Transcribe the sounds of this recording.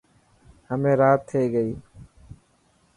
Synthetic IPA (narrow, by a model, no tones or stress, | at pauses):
həmẽːɾaːt̪ʰːeiɡəiː